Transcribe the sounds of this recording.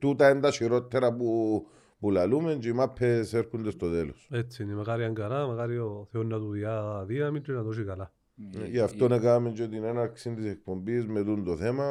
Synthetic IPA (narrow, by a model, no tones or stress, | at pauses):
t̪ut̪aend̪aʃiɾot̪ʰːeɾapu | pulalument͡ʃimapʰːeseɾkund̪est̪oðelo̰sesinimakaɾiaŋɡaɾamakaɾjoθeonːat̪uðjaðiamint̪inad̪oʃ̬ikala | aft̪onekamend͡ʒed̪inenaksind̪isek̚pombizmeðund̪oθema